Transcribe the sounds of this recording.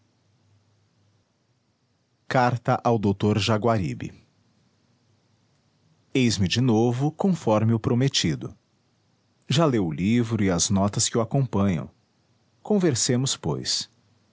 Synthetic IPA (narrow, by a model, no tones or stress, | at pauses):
kaɾt̪ɐʔawd̪owt̪oɾʒaɡwaɾḭbɪ̰ | ejzmɪd͡ʒɪnovʊkõfɔɾmɪʊpɾomet͡ʃid̪ʊ̰ | ʒalewʊlivɾʊɪɐznɔt̪ɐskɪʊakõpɐ̃ɲɐ̰̃w̃ | kõveɾsẽmʊspo̰js